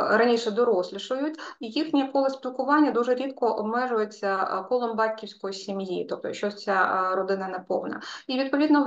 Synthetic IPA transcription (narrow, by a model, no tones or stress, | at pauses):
ɾɐnʲiʃɛd̪ɔɾɔsʲlʲɪʃʊjʊtʲijixnʲiɐkɔlˠɪsʲpʲilˠkʊʋɑnʲːɐd̪uʐɛɾʲit̪kɔʔɔbmɛʒʊjet͡sʲːɐkɔlˠɔmbɑtʲkʲiwsʲkɔjisʲimjit̪ɔp̚t̪ɔ̰ʃt͡ʃːɔt͡sʲaɾɔd̪ɪnɐnɛpɔ̰wnɐ̰iʋʲid̪̚pɔʋʲid̪nɔ